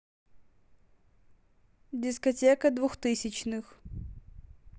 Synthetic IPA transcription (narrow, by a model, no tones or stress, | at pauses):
dʲɪskɐtʲekəd̪vuxt̪ɨsʲɪt͡ɕnɨx